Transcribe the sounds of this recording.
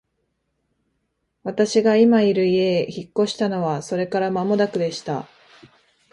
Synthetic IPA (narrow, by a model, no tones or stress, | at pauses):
βat̪aɕiɡaimaiɾɯ̟ie̞çikːo̞ɕi̥t̪ano̞βaso̞ɾe̞kaɾamamo̞d̪akɯ̟d̪e̞ɕi̥t̪a̰